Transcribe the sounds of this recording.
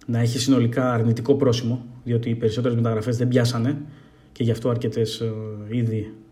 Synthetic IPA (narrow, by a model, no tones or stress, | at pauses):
nɐeçisino̞likɐːɾnit̪iko̞pɾo̞simo̞ðio̞t̪iːpe̞ɾiso̞t̪eɾemet̪ɐɣɾɐfe̞zðe̞mbʝɐsɐne̞ | ce̞ʝɐft̪o̞ɐɾce̞t̪e̞siði